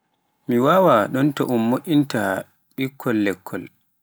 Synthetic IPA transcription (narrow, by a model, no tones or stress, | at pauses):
miwawaɗɔntɔʔumːoʔʲinta | ɓikʰːɔlːɛkʰːɔl